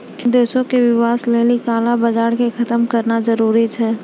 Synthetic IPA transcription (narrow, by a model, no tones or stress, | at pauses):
d̪eːʃõkeʋɪʋaːsleːlikaːlabəd͡ʒaːɾkexʰɐt̪əmkəɾnazəɾuːɾit͡ʃʰɛː